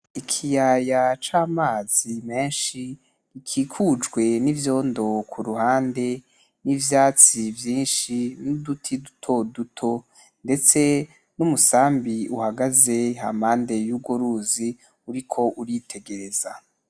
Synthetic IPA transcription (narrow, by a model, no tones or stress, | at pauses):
ikʰijajat͡ʃaːmaːzime̞ːnʃi | ikʰikʰud͡ʒɡwe̞nivjo̞ːndo̞kʰuɾuhaːnde̞ | nivjaːt͡sivjiːnʃinudutʰidu̥tʰo̞dutʰo̞ | nde̞t͡se̞ | numusaːmbiuhaɡaze̞ɦa̰mhaːnde̞juɡwoɾuzi | uɾikʰo̞ʔuɾitʰe̞ɡe̞ɾe̞z̥a